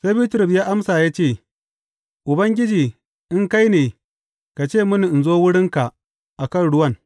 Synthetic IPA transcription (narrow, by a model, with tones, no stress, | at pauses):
seː˦biː˦tɾʊ˨pjaː˦ʔa˦msa˨jaː˦t͡ʃeː˦˨ | ʔʊ˨bɐ˦ŋɡʲɪ˦d͡ʒiː˨ | ʔɪ˦ŋka˦jneː˨ | ka˨t͡ʃeː˦˨mʊ˦nu˨ʔɪ˨nzoː˦wʊ˦ɽɪ˦ŋka˨ʔ | ʔa˨kɐ˦˨nɽʊ˦wɐ˦n